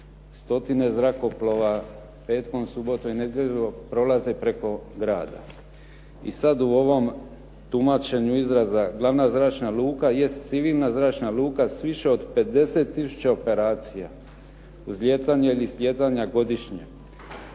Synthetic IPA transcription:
st̪o̞t̪ine̞zɾako̞plo̞ʋa | pe̞ːt̪ko̞msubo̞t̪oine̞d̪jeʎopɾo̞laze̞pɾe̞ko̞ɡɾaːd̪a̰ | ḭsad̪uo̞ʋo̞m | t̪umat͡ʃe̞ɲuizɾazaɡlˠaʋnazɾaːt͡ʃnalˠuːkaje̞st̪t̪siʋiːlˠnazɾaːt͡ʃnaluːkasʋiʃe̞o̞d̪pe̞d̪e̞se̞t̪ːisu̥t͡ɕao̞pe̞ɾaːt̪sija | uzljet̪aɲeilislʲje̞t̪aɲaɡo̞d̪iʃɲe

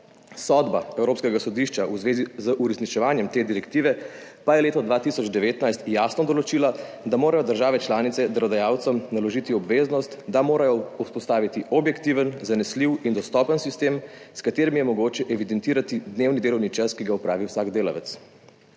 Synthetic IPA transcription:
sɔd̪baɛwɾoːpskɛɡasɔd̪iʃt͡ʃauzʋeːzizəʔuɾɛsnit͡ʃɛʋaːnjɛmt̪eːd̪iɾɛkt̪iʋɛ | pajɛleːt̪ɔd̪ʋaːt̪isɔd͡ʒd̪ɛʋeːt̪najst̪jasnɔd̪ɔlɔt͡ʃiːla | d̪amoːɾajɔd̪əɾʒaːʋɛt͡ʃlaːnit̪sɛd̪ɾɔd̪ajaːwt̪sɔmnalɔʒit̪iɔbʋeːznɔst̪d̪amoːɾajɔuspɔst̪aːʋit̪iɔbjɛkt̪iʋənzanɛsliwind̪ɔst̪ɔːpənsist̪eːmskat̪eːɾimjɛmɔɡoːt͡ʃɛʔɛʋid̪ɛnt̪iːɾat̪id̪neːwnid̪eːlɔwnit͡ʃaskiɡaupɾʔaːʋiwsaːɡd̪eːla̰ʋɛ̰t̪s

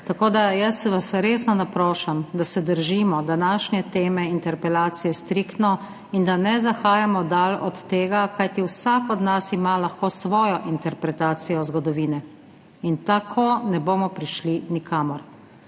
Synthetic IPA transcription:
t̪akoːd̪ajəsʋasɾeːsnɔnapɾoːʃamd̪asɛd̪əɾʒiːmɔd̪anaːʃnʲɛt̪eːmɛint̪ɛɾpɛlaːt̪sijɛst̪ɾikt̪nɔ | ind̪anɛzaxaːjamɔd̪alɔt̪ːeːɡakajt̪iwsaːkɔd̪nasimalaxkoːsʋɔːjɔʔint̪ɛɾpɾɛt̪aːt̪sijɔzɡɔd̪ɔʋiːnɛ | int̪akʰonɛboːmɔpɾiʃlinikʰaːmɔɾ

